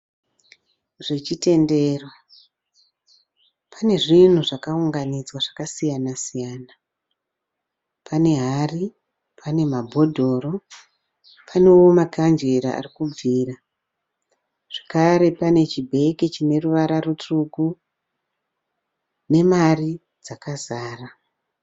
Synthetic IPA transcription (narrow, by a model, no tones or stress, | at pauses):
ʐ̥et͡ʃite̞nde̞ːro | pʰane̞ʐin̤uʐakauŋɡanid͡zwaʐakasijanasijaːna | pʰane̞ɦari | pʰane̞mabʱo̞dʱo̞ːro̞ | pʰane̞womakand͡ʒeɾaa̰rikub͡viːra | ʐ̥akaɾe̞pane̞t͡ʃibʱe̞kit͡ʃine̞ruʋaɾarutuku | ne̞mari | d͡zakazaːra